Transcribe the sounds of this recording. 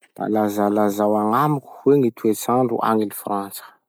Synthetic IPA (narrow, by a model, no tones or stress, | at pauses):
la̰lazalazawaŋamuku̥weŋit̪ʰuet͡saɳɖ͡ʐṵʔa̰ŋilifrant͡sə̥